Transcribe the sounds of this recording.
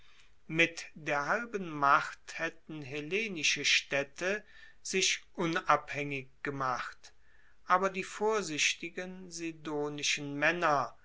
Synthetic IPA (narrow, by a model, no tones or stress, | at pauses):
mɪtd̥eːɐhalbənmaχthɛtn̩ɦeleːnɪʃəʃtɛtʰə | z̥ɪʃʔʊnaphɛŋɪkɡ̥əmaχt | ʔaːbɐdiːfoːɐzɪʃtɪɡənzidoːnɪʃən̩mɛnɐ